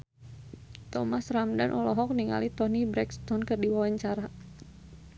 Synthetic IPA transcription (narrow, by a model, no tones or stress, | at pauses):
t̪ɔmasramdanʔɔlɔɦɔk̚niŋa̰lit̪ɔnibɾɛkst̪ɔnkərdiwawaɲt͡ʃaɾa